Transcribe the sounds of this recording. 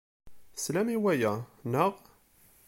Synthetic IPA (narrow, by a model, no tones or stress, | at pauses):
slæmiwæjænəʁ